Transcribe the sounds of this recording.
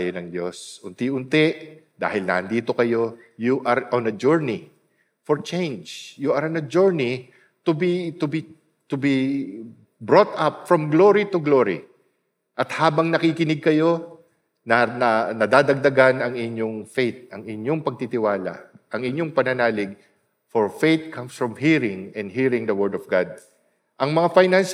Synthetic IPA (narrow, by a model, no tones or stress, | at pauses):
jonɐŋd̪jo̞sʔʊnt̪iʔʊnt̪ɛʔd̪a̰ːhɪlnɐ̰ʔɐnd̪iːt̪o̞kɐjo̞ | juʔɐɾonɐd͡ʒuɹni | foɹt͡ʃẽjnd͡ʒjuʔɐɾɐnɐd͡ʒuɹni | t̪ʊbit̪ʊbi | t̪ʊbi | bɹot̪ɐp̚fɹɐmɡloɾit̪ʊɡloɹḭ | ʔɐt̪haːbɐŋnɐkikɪnɪɡ̚kɐjo̞ | nɐnɐnɐd̪aːd̪ɐɡ̚d̪ɐɡanɐŋɪɲoŋfejt̪̚ʔɐŋɪɲoŋpɐɡ̚t̪it̪ɪwaːlɐ̰ʔɐŋɪɲjoŋpɐnɐnaːlɪɡ̚ | fɔɹfejt̪̚kʰamsfɹɔmhiɹɪŋɛ̃nd̪ɦiɹɪŋd̪ɐwɛɹd̪ɔvɡad̪̚ | ʔɐŋmɐŋafajnans